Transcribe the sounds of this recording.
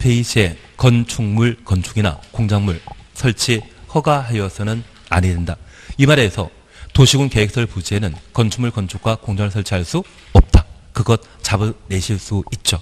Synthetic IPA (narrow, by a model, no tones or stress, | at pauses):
pʰeiɕʰe̞ | kʌnt͡ɕʰuŋmuɭkʌnt͡ɕʰuɡina̰koŋd͡ʑaŋmuɭsʰʌɭt͡ɕʰihʌɡaɦajʌsʰʌnɯn | a̰ɲidenda | imaɾesʰʌ̰ | toɕʰiɡunkeek̚s͈ʌɭpud͡ʑienɯnkʌnt͡ɕʰuŋmuɭkʌnt͡ɕʰuk̚k͈wakoŋd͡ʑaŋɭsʰʌɭt͡ɕʰiɦaɭs͈u | ʌp̚t͈akɯɡʌt̚t͡ɕabɯne̞ɕʰiɭs͈uit̚t͡ɕ͈o